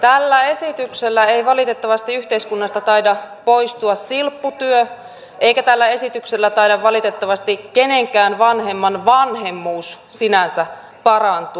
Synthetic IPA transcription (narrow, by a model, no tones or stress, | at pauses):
t̪ælːæe̞sit̪ykselːæeiʋɑlit̪e̞t̪ːɑʋɑst̪iyht̪e̞iskunːɑst̪ɑt̪ɑidɑpoist̪uɑsːilpːut̪yø | ʔe̞ikæt̪ælːæe̞sit̪ykselːæt̪ɑidɑʋʋɑlit̪et̪ːɑʋɑst̪ikke̞ne̞ŋkæːnʋɑnhe̞mːɑnʋɑnɦe̞mːuːssinænsæ | pɑrɑnt̪u